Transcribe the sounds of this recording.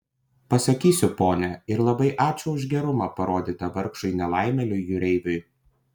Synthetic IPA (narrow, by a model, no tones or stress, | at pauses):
pɐsɐkʲiːsʲʊpoːnʲɛɪɾlˠɐbɐɪʔɑːt͡ʃʲʊʊʊʒʲɡʲɛɾʊmɐpɐɾoːd̪ʲiːt̪ɐʋɐɾkʃʊɪnʲɛlˠɑˑɪmʲɛlʲʊjjʊɾʲɛɪʋʲʊɪ